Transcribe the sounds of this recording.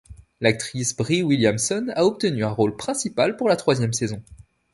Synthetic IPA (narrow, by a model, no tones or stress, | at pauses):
lak̚t̪χisbʁiwiljamsɔnaɔp̚t̪ənyɛ̃ʁolpχɛ̃sipalpuʁlat̪χwazjɛmsezɔ̃